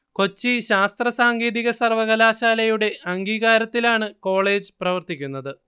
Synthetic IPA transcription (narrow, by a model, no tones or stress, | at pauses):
ko̞t͡ɕːiɕaːst̪rɐsaːŋɡeːðiɣɐsɐrʋɐɣɐlaːɕaːlɐjuɽe̞ʔɐŋɡiːɣaːɾɐt̪ːilaːɳɨko̞ːɭe̞ːd͡ʑɨprɐʋɐrt̪ikʲːunːɐðɨ